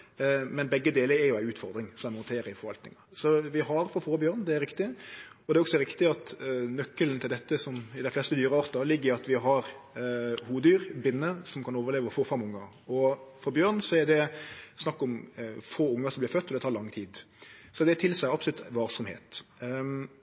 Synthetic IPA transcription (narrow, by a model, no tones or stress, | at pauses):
mɛnbɛɡːəd̪eːləɾɛɾjʊæɪʉːt̪fɔɾd̪ɾɪŋsɔmæmɔnt̪ʰeːɾəɪfɔɾʋɑlt̪nɪ̰ŋɑsɔʋɪɦɑɾfɔfoːbjøːɾnd̪ɛæɾɪkt̪ɪɔd̪ɛɾɔksɔɾɪkt̪ɪɑt̪nœkːəln̩t̪ɪld̪ɛt̪ːəsɔmɪd̪æɪflɛst̪əd̪yːɾəɑːɾt̪ɑlɪɡːəɪɑt̪ʋɪɦɑɾ | huːʋəd̪yːɾbɪnːəsɔmkʰɑnoːʋəɾleːʋəfoːfɛmʊŋːɑ | ɔfɔɾbjøːɾnsɔɛd̪ɛsnɑkːɔmfoːʊŋːəsɔmblɪɾfœt̪ːɔd̪ɛt̪ʰɑːɾlɑŋːt̪ʰiːd̪ | sɔd̪ɛæt̪ʰɪlsæɪɑpslʉt̪ʋɑːɾsɔmhḛːt̪